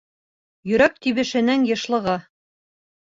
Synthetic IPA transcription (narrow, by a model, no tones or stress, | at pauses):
jɵ̆ɾæk̚t̪iβɘ̆ʃɘ̆næŋjɤ̆ʃlˠɤ̆ʁɑ